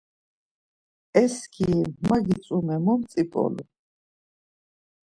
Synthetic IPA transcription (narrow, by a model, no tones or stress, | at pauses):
ɛskʰimmaɡit͡s̪ʼumɛmɔmt͡sʼipʼɔ̰lṵ